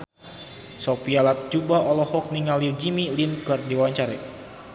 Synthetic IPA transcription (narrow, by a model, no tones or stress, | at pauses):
sopialat̪̚d͡ʒubaɔlɔhɔk̚niŋalird͡ʒimilinkərdiwaɲt͡ʃaɾɛ